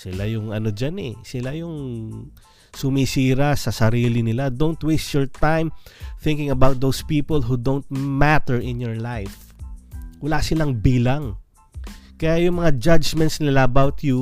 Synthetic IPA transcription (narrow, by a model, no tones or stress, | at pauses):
sɪlajʊŋɐno̞d͡ʒanɛ̰sɪlajʊŋ | sʊmisiːɾasɐsɐɾiːlɪnɪlad̪õnt̪west̪jɔɹt̪ãjmθɪ̃ŋkɪ̃ŋɐbawt̪̚d̪owspiːpolɦud̪ownt̪̚mat̪ɛɹɪ̃njɔɹlajf | wɐlasɪlaŋbiːlaŋ | kɐjaʔjʊŋmɐŋad͡ʒad͡ʒmɛ̃nt̪snɪlaʔɐbawt̪ju